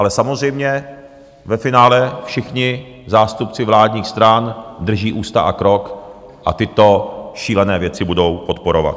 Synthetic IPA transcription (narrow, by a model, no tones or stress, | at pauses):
ʔalɛsamozrɛjmɲɛ | vɛfɪnaːlɛfʃɪxɲɪ | zaːst̪upt͡sɪvlaːdɲiːxst̪ɾand̪r̩ʒiːʔuːst̪aʔakɾo̞k | ʔa̰t̪ɪt̪o̞ʃiːlɛnɛːvjɛt͡sɪbudo̞wpo̞t̪po̞ɾo̞va̰t̪